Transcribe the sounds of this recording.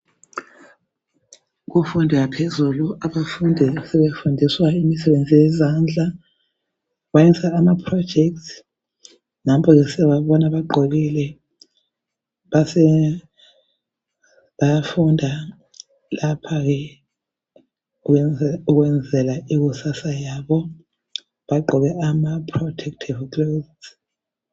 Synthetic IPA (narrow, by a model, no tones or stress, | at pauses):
ɣufundʱiɣapʰezuluaβafundʱisɛβefundʱiswaimisɛβend͡zʱʼijɛzand͡ɮʱa | ɣwajɛsaːmapʰrɔd̥d͡ʒ̥ʱɛk̚tʰ | nampʰɔɣɛsɛwaβɔnaβaɡ͡ǃʱoɣilɛ | βasɛ | βajafundʱa | lapʰaɣɛ | uɣwɛnd͡zʱɛlaiɣusasajaβɔ | βaɡ͡ǃʱɔβɛʔamapʰrɔtʰɛk̚tʰivklozz